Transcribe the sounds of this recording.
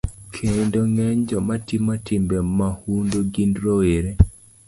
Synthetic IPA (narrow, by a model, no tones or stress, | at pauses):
kʰendoŋɛɲd͡ʒɔmatimatɪmbɛmahundoɡindɾɔweɾe